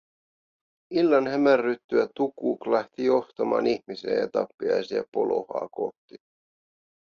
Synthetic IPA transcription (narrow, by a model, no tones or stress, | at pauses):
ilːɑnhæmærːyt̪ːyæt̪ukuːklæht̪ijo̞ht̪ɑmɑ̰ːniçmisḛːjɑt̪ɑpːiɑ̰jsiæ̰po̞lo̞̰hɑ̰ːkoht̪ːi